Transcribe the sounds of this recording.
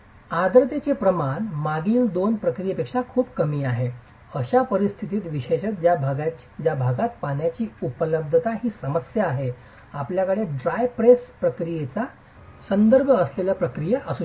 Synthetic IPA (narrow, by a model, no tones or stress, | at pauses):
ad̪ɾət̪et͡sepɾəmanmaɡiːld̪onpɾəkɾijepekʂakʰuːbkəmiːaɦe | əɕapəɾist̪ʰit̪iːt̪ʋiɕeɕət̪d͡ʑjabʱaɡa | d͡ʑjabʱaɡat̪paɳjat͡ɕiːupələb̚d̪ʱət̪aɦiːsəməsjaːɦe | apljakəɽeɖɾajpɾespɾəkɾijet͡sa | sənd̪əɾbʱəəsleləːpɾəkɾijəʔəsu